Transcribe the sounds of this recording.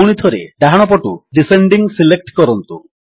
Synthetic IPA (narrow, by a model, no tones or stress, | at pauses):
wɽ̃it̪ʰɔɾeɖ̪aɦaɽ̃ɔpɔʈuɖiseɳɖiŋsilek̚ʈkɔɾɔnt̪u